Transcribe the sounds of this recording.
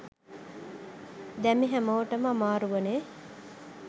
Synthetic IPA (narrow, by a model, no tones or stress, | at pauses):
d̪ɛmiɦæmoʋəʈəmamaːɾuʋəneː